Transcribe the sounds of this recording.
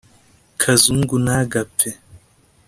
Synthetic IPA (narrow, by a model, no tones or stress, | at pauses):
kʰazuŋɡunaːɡapʰːɛ